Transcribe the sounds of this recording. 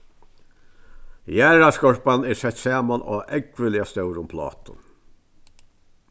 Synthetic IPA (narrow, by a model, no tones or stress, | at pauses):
jæːɹaskɔɹpanɛɾsɛt̪saːmanʔa̰ːʔɛkvɪlɪast̪œwɾʊmpʰlɑ̰ːt̪ʊ̰n